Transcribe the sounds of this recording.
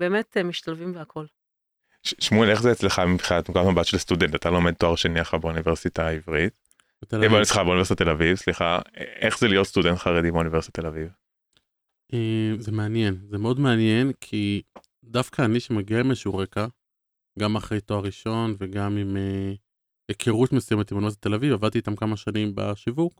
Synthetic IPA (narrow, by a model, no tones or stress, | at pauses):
beːmetemiʃt̪alvimveakʰol | ʃʃmuleχzeːt͡sleχamibχiat̪mkoatmabatʃelst̪udentat̪alo̞med̚toaʁʃeniaχabeuniveʁsitaivʁit̪ | bet̪elavbunsliχabeunvesit̪at̪elavivsliχaeχzelijotst̪udentχaʁed̪imeunivesit̪at̪ːelaviv | ʔeːmze̞meanje̞nzemeo̞dmeanje̞nkʰi | dafkʰaːniʃemaɡiaimeʃuʁeka | ɡamaχʁejtoaʁiʃo̞nveɡamime | ekʰeʁut̪mesujemet̪imounivesitat̪elavivavad̚t̪iːt̪amkamaʃanimba̰ʃivuk